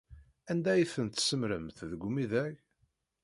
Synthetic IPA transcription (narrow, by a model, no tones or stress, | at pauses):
ænd̪æjθənt̪səmɾəmθðəɡʷmiðæç